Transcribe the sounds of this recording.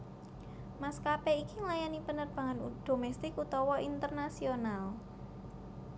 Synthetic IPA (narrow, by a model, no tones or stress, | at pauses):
maskapɛikiŋlajanipənərb̥aŋand̪̥omɛst̪ɪkut̪ɔwɔʔint̪ərnasional